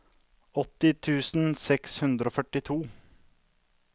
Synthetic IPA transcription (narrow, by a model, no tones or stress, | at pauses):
ɔt̪ːɪt̪ʰʉːsn̩sɛkshʉnd̪ɾəoːfœʈɪt̪ʰuː